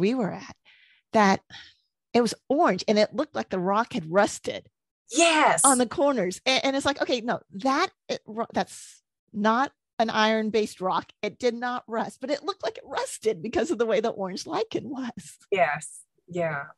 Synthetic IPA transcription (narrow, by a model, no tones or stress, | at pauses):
wiwə˞ɨt̪̚ | ðɨɾ | ɨt̚wʌzɔɹɨ̃nd͡ʒɨ̃nɪtˡlʊk̚tˡlaɪk̚ðɨɹɑkhɨd̚ɹʌstɪ̰d̥ | jɛsn̩ðɨkʰɔɹnə˞z̥ɨ̃ʔɨ̃nɨtslaɪkoʊkeɪnoʊðət̚ɹðæts | nəɾ | ɨ̃nʔa̰ɪə̃˞nbeɪst̚ɹɑkɨt̚d̥ɨdⁿnəʔ̚ɹʌst̚b̥ʌɾɨtˡlʊk̚tˡlaɪkɨt̚ɹʌstɨd̚bɨkʰʌzʌvðəweɪðəʔɔɹɨ̃nd͡ʒlaɪkɨ̃nwʌz̥ | jɛs | jæ